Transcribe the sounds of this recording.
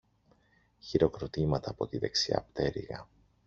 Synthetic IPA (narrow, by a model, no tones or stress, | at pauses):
çiɾo̞kɾo̞t̪imɐt̪ɐːpo̞t̪iðe̞ksiɐ̰pt̪e̞ɾḭɣɐ̰